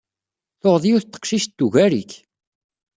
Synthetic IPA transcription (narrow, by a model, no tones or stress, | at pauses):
θoʁðijuθt̪ːə̥qʃiʃd̪ːuʝæɾik